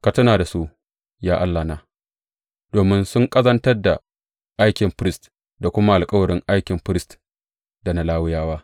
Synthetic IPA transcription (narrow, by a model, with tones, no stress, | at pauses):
ka˨tɐ˦naː˨da˨su˦ʔ | jaː˦ʔa˦lːa˨na˦ | d̥oː˨mɪ˦nsʊ˦ŋkʼɐ˦zɐ˦ntɐ˦rda˨ | ʔa˦jkʲɪ˨mɸɪ˦ɾɪ˦st | da˨kʷʊ˦ma˦ʔa˨lkʼɐ˦wɐ˨ɾɪ˦ŋʔa˦jkʲɪ˨mɸɾɪ˦st | da˨na˦laː˦wɪ˦jaː˦waː˦